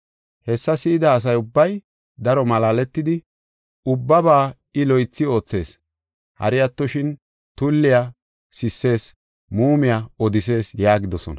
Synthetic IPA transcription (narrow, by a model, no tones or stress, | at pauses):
hɛsːɐsiːd̪ɐːs̬ɐjʊbːɐj | d̪ɐɾɔmɐlaːlɛt̪ːɪd̪ɪ | ʊbːɐbaː | ɪlɔjt͡sːɪo̞ːt͡sːe̞̰ːs | hɐ̰ɾɪjɐt̪ːɔʃɪn | t̪ʊlːɪja | sɪsːe̞ːs | muːmɪjaɔd̪ɪse̞ːsjaːɡɪd̪ɔsɔ̰nɐ